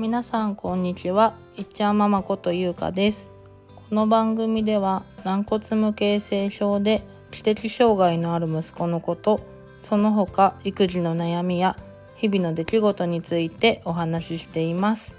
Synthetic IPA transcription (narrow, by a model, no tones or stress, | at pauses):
mʲinasãŋkõ̞ɲ̟ːit͡ɕiβa | it͡ɕːãmːamako̞t̪o̞jɯ̟ːka̰d̪e̞sɨ̥ | ko̞no̞bãŋɡɯ̟mʲid̪e̞βanãŋko̞t͡sɨmɯ̟ke̞ːse̞ːɕo̞ːd̪e̞ | kʲi̥t̪e̞kʲiɕo̞ːɡaino̞aɾɯ̟mɯ̟sɨ̥ko̞no̞ko̞t̪o̞ | so̞no̞ɦo̞kaikɯ̟ʑino̞najamʲija | çibʲino̞d̪e̞kʲiɡo̞t̪o̞ɲ̟it͡sɨit̪e̞ʔo̞ɦanaɕiɕi̥t̪e̞imasɨ̥